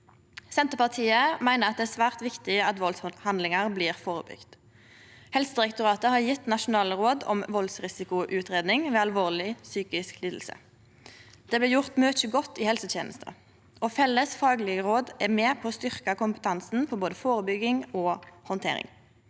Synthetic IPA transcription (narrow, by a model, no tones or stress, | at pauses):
sɛnt̪əpɑʁt̪ʰiːəmæɪnəʁɑt̪̚d̪ɛæːsʋæːʁt̪ʋɪkt̪ɪɑt̪ʋɔlshɑnd̪lɪŋɑʁbliːʁfoːʁə̰bʏ̰ɡ̥t̪ | hɛlsəd̪ɪʁɛkt̪ʊʁɑːt̪əhɑːʁjɪt̪nɑʃʊnɑːləʁoːd̪ɔ̰mʋɔlsʁɪsɪkʊʔʉːt̪ʁeːd̪nɪŋʋeːɑlʋoːʁlɪsyːkɪskliːd̪l̩sə̰ | d̪̥ɛːblɪːjʊʁt̪møːt͡ʃəɡɔt̪ːiːhɛlsət̪jḛːnʔə̰st̪ʰə̰ | ɔfɛlːəsfɑːɡlɪəʁoːd̪ɛmeːpʰoːst̪ʏʁkɑkʊmpə̥t̪ʰɑnsn̩pʰɔboːd̪əfoːʁəbʏɡɪŋɔːhɔnt̪ʰḛːʁɪ̰ŋ